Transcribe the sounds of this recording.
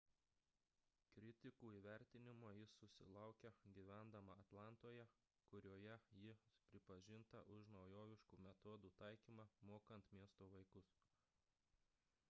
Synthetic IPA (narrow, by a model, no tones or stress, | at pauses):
kɾʲɪt̪ʲɪkuːiːʋʲæˑɾʲt̪ʲɪnʲɪmoːjɪsʊsʲɪ̰lˠɑˑʊkʲɛɡʲiʋʲæˑnd̪ɐmɐɐt̪lˠɑˑnt̪oːjɛ | kʊɾʲoːjɛjɪpʲɾʲɪpɐʒʲɪnt̪ɐʔʊʃnɒʊjoːʋʲɪʃkuːmʲɛt̪ɔːd̪uːt̪ɑˑɪkʲiːmɑːmoːkɐnt̪mʲiɛst̪oːʋɐɪkʊs